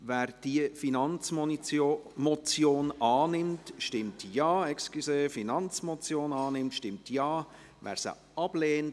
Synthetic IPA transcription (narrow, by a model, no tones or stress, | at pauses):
vɛːɾd̥iəfinɑnt͡so | mɔt͡sjoːnɑːnɪmtʃtɪmtjɑːɛkskiseːfinɑnt͡smɔt͡sjoːnɑːnɪmtʃtɪmtʰjɑː | vɛ̰ːɾsə̰ | ɑb̥leːnt